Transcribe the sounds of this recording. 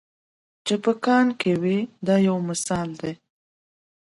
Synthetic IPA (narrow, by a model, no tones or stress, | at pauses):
t͡ʃepəkɑnkewid̪ɑjawmɪsɑld̪e